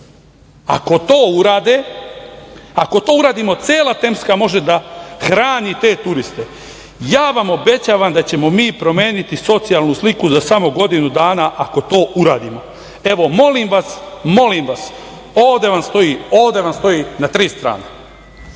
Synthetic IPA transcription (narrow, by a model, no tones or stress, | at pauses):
a̰ko̞t̪oːuɾaːd̪e | ako̞t̪o̞ːuɾaːd̪imo̞t̪se̞ːlˠat̪e̞mskamo̞ʒe̞d̪axɾaːnit̪e̞ːt̪uɾist̪e̞ | jaːʋamo̞be̞t͡ɕaːʋamd̪at͡ɕe̞mo̞miːpɾo̞me̞ːnit̪iso̞t̪sijalˠnuslikuzasamoɡo̞d̪inud̪aːnaʔako̞t̪o̞ːʔuɾaːd̪imo̞ | e̞ʋo̞mo̞limʋasmo̞limʋas | oːʋd̪e̞ʋamst̪o̞jioːʋd̪e̞ʋamst̪o̞jinat̪ɾiːst̪ɾa̰ːne